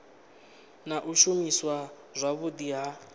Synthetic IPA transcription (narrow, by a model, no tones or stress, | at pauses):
naʔuʃumiswa | zʷaβudiɦa